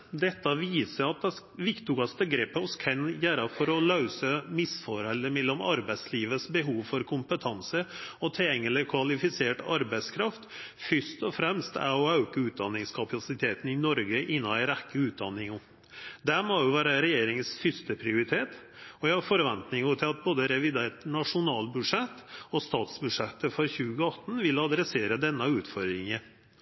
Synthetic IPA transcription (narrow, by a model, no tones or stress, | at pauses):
d̪ɛt̪ːɑʋiːsəɾɑt̪̚ɛ | ʋɪkt̪ʊɡɑst̪əɡɾeːpːəɔskʰɛnjæːɾɑfɔɾɔlɑʉsəmɪsfɔɾɛlːəmɛlːɔmɑ̰ɾbæɪsliːʋəsbəɦuːʋfɔɾkʰʊmpət̪ʰɑnsəɔt̪ʰɛɛŋːələkʰʋɑlɪfɪseːʈɑɾbæɪskʰɾɑft̪fʏʂt̪ɔfɾɛmst̪æ̰ɔɑʉkəʉːt̪̚d̪ɑnːɪŋskʰɑpʰɑsɪt̪ʰeːt̪n̩ɪnɔɾɡəʔɪnːɑnæɪɾækːəʉːt̪̚d̪ɑnːɪŋʊm | d̪æɾmɔjʊʋæːɾəɾɛjeːɾɪŋənsfʏst̪əpʰɾɪʊɾɪt̪ʰeːt̪ | ɔjæɪhɑɾfɔɾʋɛnt̪nɪŋʊt̪ʰɪlɑt̪̚boːd̪əɾɛʋɪd̪eːʈnɑʂʊnɑːlbʉʂɛt̪ːɔst̪ɑːt̪sbʉʂɛt̪ːəfɔɾçʉːɡəɑt̪ːn̩ʋɪlɑd̪ɾɛseːɾəd̪ɛnːəʉːt̪fɔɾd̪ɾɪŋə